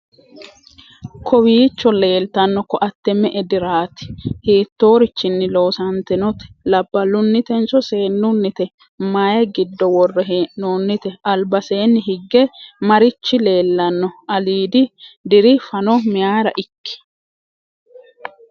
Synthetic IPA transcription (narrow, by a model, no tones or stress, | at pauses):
kʰɔwiːt͡ʃːɔle̞ːlt̪ɐnːɔkɔʔɐt̪ːɛmɛʔɛd̪ɪɾaːt̪ɪ̥hiːt̪ːo̞ːɾɪt͡ʃːɪnːɪlo̞ːsɐnt̪ɛnɔt̪ɛ̥lɐbːɐlːʊnːɪt̪ɛnt͡ʃɔseːnːʊnːɪt̪ɛ | maːjɐɡɪd̪ːɔwɔrːɛɦeːnoːnːɪt̪ɛɐlbɐse̞ːnːɪɦɪɡːɛmɐɾɪt͡ʃːɪle̞ːlːɐnːɔʔɐliːd̪ɪd̪ɪɾɪfɐnɔmɪjaːɾɐ̰ʔɪkːɪ̥